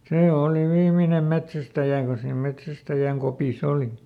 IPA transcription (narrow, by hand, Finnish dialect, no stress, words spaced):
seː oˑli ʋiːminem metsæstæjæ ko siːm metsæstæjæŋ kopis oli